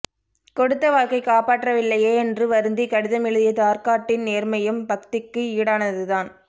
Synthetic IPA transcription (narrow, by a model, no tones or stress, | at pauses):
kɔɽɯt̪ːɐʋaːɭkɐɪkaːpaːʈrɐʋɪlːɐjeːɛndrɯʋɐɾɯnd̪ikɐɽɪðɐmɪɻɯðɪjɐt̪aːɾkaːʈːɪnneːɾmɐjɯmbɐkt̪ɪkːɯiːɽaːnɐðɯðaːn